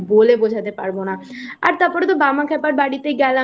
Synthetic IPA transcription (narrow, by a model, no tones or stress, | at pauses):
boːleːbod͡ʒaːd̪eːpəɽboːɽ̃aːəɾt̪əpəɽt̪obaːmãːkʰɛːpəɾbaːɽiːt̪eiɡaːlã